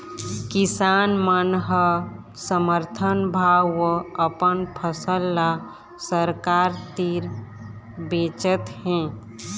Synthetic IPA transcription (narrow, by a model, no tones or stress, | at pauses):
kisaːnmənɦə | səməɾt̪ʰənbʱaəəpənpʰəsəlːa | səɾkaːɾt̪iɾ | beːt͡ʃət̪ɦɛ̃